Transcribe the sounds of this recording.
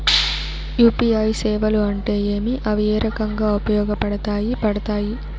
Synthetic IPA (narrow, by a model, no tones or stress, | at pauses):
juːpiɐjsɛːʋɐluɐɳʈe̞ːeːmiʔɐʋieːɾɐkɐŋɡaːupɐjɔːɡɐpɐɽɐt̪aːjipɐɽɐt̪aːji